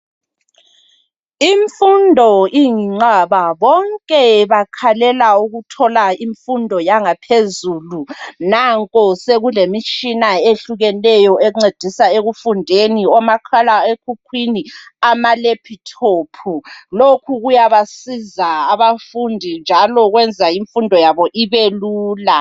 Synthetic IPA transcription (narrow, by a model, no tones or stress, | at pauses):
iɱfundʱɔiŋiŋ͡ǀaβaβɔŋkʼɛβakʰalɛlauɣutʰɔlaiɱfundʱɔjaŋapʰezuːlunaŋkʼɔseɣulemit͡ʃʼinaeɬuɣɛlɛjɔʔɛŋ͡ǀed̥ʱisaeɣufundʱeniɔmakʰalaekʰukʰwiniamalepʰitʰopʰulokʰuɣujaβasizaaβafundʱind͡ʒʱalɔɣwɛnd͡zʱaiɱfundʱɔjaβɔʔiβeluːla